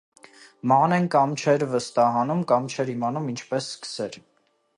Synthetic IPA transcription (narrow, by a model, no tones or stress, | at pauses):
mɑnɛnkɑmt͡ʃʰɛɾvəst̪ɑɦɑnumkɑmt͡ʃʰɛɾimɑnumint͡ʃʰpɛsːkə̥sɛɾ